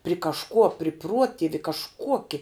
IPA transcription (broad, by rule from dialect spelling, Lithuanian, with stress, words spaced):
pʲrʲɪ kɐʃˈkuɔ pʲrʲɪ ˈpruɔtʲɪʋʲɪ kɐʃˈkuɔkʲɪ